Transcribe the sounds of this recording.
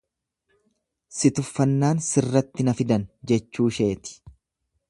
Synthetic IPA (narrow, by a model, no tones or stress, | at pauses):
sɪt̪ʊfːɐnːaːnsɪrːɐt̪ːɪnɐfɪd̪ɐnd͡ʒɛt͡ʃːuːʃe̞ːt̪ɪ̥